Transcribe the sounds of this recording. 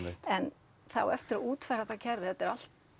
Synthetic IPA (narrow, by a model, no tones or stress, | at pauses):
ɪt̪ɛn | θa̰wɛft̪ɪɾauːt̪fɛɾaθacʰɛɾvɪɛt̪ɪɾal̥t̪̚